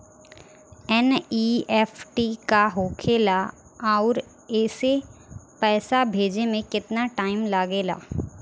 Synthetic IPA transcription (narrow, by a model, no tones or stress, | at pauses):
ɛniːfʰʈikaɦoːkʰeːla | aːɾ | ɛːsepɛːsabʱeːd͡ʒemẽkɪt̪naʈaːɪmlaɡeːla̰ː